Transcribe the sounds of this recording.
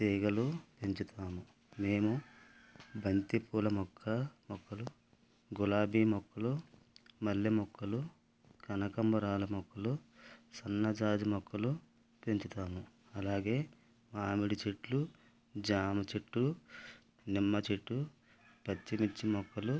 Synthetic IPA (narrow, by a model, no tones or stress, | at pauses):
t̪iːɡɐlupeɲt͡ʃut̪ʰaːmu | meːmu | bʱɐnt̪ipuːlɐmɔkʰːɐmɔkːɐlu | ɡulaːbiːmɔkːɐlu | mɐlːimɔkːɐlu | kɐnɐkɐmbɐɾaːlɐmɔkːɐlusɐnːɐd͡ʒaːd͡ʒ̪imɔkːɐlu | peɲt͡ʃut̪aːmu | ɐlaːɡe̞ː | maːmiɽit͡ʃeʈlu | d͡ʒaːmɐt͡ʃeʈːu | nimːɐt͡ʃeʈːu | pɐt͡ʃːimit͡ʃːimɔkːɐlu